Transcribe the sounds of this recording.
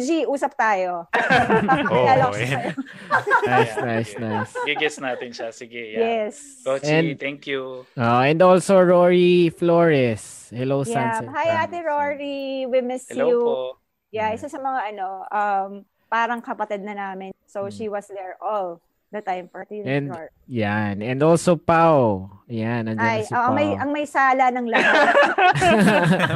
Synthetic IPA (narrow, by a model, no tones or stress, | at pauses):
d͡ʒiʔuːsɐp̚t̪aːjo | laloɐjo | njsnajsnajsɡɪɡɛsnaːt̪ɪnʃɐsɪɡɛjɛs | oɛ̃nd̪t̪ɛŋkjuoɛ̃nd̪olsoɹoɹiflɔɹɛs | hɛlowjansɛhajaːt̪ɪɹoɹiwɪmɛsu | jaʔɪt̪osɐmɐŋaʔɐnoʔɐm | paːɾɐŋkɐpɐt̪ɛd̪̚nɐnaːmɪnsowʃiwɐsd̪ɛɹʔɔl | d̪ɐt̪ãjmfɔ˞t̪iɛ̃nd̪ | janɛ̃nd̪olsopawɐjanɐnd͡ʒɛajoʔɐŋmɐjʔɐŋmɐjsaːlɐnɐŋlɐ